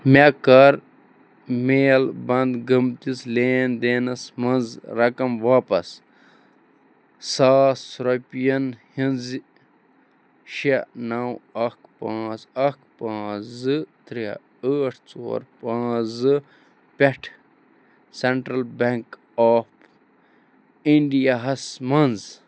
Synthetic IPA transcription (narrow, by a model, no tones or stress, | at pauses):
mekɐɾ | meːlbɐnd̪ɡɐmt̪isleːnd̪eːnɐsmɐnzɾɐkɐmʋaːpɐs | saːsɾopijɐnhinz | ʃenɐwɐkpãːzɐkpãːzɨt̪ɾia̰ | əːʈʰt͡so̰ːɾpãːzɨ | peʈʰ | seɳʈɾɐlbɐŋk | aːp | iɳɖijaɦɐsmɐnz